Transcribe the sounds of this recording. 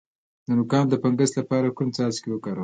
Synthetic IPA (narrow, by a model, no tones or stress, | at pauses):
d̪̥ənʊkɑnd̪əpaŋɡəst̪lapɑɾakumt͡sɑzkewəkɑɾəw